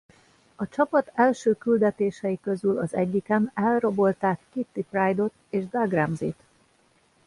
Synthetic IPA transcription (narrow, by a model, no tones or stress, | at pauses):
ɒt͡ʃɒpɒt̪ɛlʃøːkyld̪ɛt̪eːʃɛjikø̞zylɒzɛ̰ɟːikɛmɛlro̞bo̞lt̪aːkːit̪ːiprajd̪o̞t̪eːʒd̪aɡrɛmzḭt̪